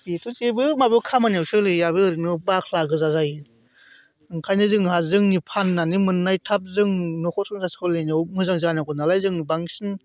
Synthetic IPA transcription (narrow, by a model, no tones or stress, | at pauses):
bitʰut͡ʃebɯmabɯkʰamaniawsɯlɯjaβɯɯɾinɯbakʰlaɡɯzazaj | ɯŋkʰajnɯzɯŋhazɯŋnipʰanːanimɯnːajtʰap̚zɯŋnɔkʰɔsʰɯŋzaskʰɯlenawmɯzaŋzanakɔnalajzɯŋnibaŋsɯn